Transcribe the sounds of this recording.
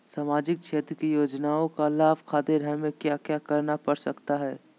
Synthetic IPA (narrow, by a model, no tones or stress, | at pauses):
saːmaːd͡ʒɪk̚ʃʰeːt̪ɾəkijoːd͡ʒnaːõkalaːbkʰaːd̪eɾɛmẽkjaːkjaːkɐɾnapɐɽsɐkt̪aɦɛː